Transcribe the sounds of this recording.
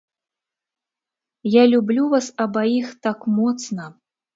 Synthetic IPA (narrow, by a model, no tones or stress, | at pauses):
jalʲublʲuvasɐbaixt̪akmɔt̪snɐ